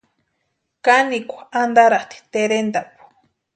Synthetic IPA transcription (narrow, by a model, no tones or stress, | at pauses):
kanikʷaand̪aɾat̪i̥t̪eɾend̪apu̥